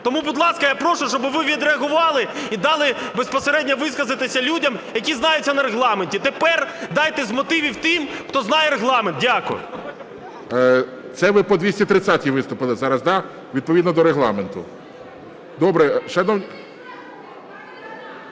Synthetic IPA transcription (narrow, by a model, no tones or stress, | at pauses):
t̪ɔmubʊd̪lˠɑskɐjapɾɔʃʊʃt͡ʃɔbɪʋɪʋʲid̪ɾeɐɦʊʋɑlˠɪid̪ɑlˠɪbespɔseɾɛdʲnʲɐʋɪskɐzɪt̪esʲɐlʲudʲɐmjɐkʲiznɑjʊt͡sʲːɐnɐɾeɦlˠɑmenʲtʲit̪epɛrd̪ɑjt̪ɛszʲmɔt̪ɪʋʲiwt̪ɪmxt̪ɔznɑjɛɾeɦlˠɑment̪̚dʲakʊ̰jʊ̰ | t̪sɛʋɪpɔd̪ʲʋʲisʲtʲit̪ɾɪt̪t͡sʲːatʲiʋɪst̪ʊpɪlˠɪzɑɾɐzd̪ɑ | ʋʲid̪̚pɔʋʲid̪nɔd̪ɔɾeɦlˠɑ̰ment̪ʊ | d̪ɔbɾɛʃɐnɔnʲ